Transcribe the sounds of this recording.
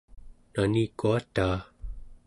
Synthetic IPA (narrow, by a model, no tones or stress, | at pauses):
nanikuat̪aː